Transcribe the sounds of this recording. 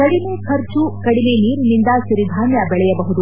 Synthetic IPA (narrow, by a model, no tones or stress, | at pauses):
kɐɽimekʰɐɾt͡ʃukɐɽime̞niːɾunind̪ɐʃuɾid̪ʱaːnjɐbɛɭɛjɐbɐɦud̪u